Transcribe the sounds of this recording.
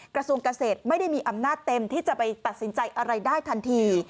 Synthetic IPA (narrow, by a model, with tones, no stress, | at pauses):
kɾa˧su˧əŋka˧seː˨˩t̪̚ma˥˩jda˥˩jmiː˧ʔa˧mnaː˥˩t̪ːe˧mt̪ʰiː˥˩t͡ɕa˨˩pa˧jt̪a˨˩t̪̚si˩˦nt͡ɕa˧jʔa˧ɾa˧jdaː˥˩jt̪ʰa˧nt̪ʰiː˧